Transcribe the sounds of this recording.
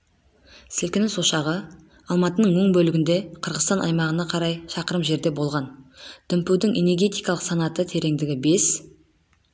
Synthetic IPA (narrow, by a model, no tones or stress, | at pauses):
sɪlkʲɪnɪsoʃɑʁə | ɑlˠmɑt̪ənəɴməɴbɵlɪɡʲɪnd̪e̞qʰəɾʁəst̪ɑnʔɑ̰jmɑʁənɑqʰɑɾɑjʃɑqəɾəmʒe̞ɾd̪e̞bo̞lˠʁɑnd̪̥ʏmpuwd̪ɪŋʔe̞ne̞ɾɡʲe̞t̪ijkɑlˠəqsɑnɑt̪ət̪ʰe̞ɾe̞ŋd̪ɪɡʲɪbe̞s